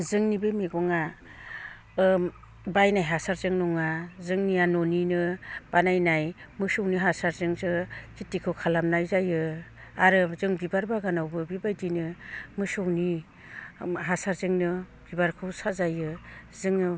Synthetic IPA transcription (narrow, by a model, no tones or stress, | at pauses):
zɯŋnibemeɡɔŋa | bajnajɦasaɾzɯŋnɔŋazɯŋnianɔninɯb̥anajnaj | mɯsɔwniɦasaɾzɯŋzɯkitikʰɯwkʰalamnajzajɯ | aɾɯzɯŋbibaɾbaɡanawbɯbibajdinɯmɯsɔwni | ɦasaɾzɯŋnɯ | b̥ibaɾkʰɯwsazajɯzɯŋnɯ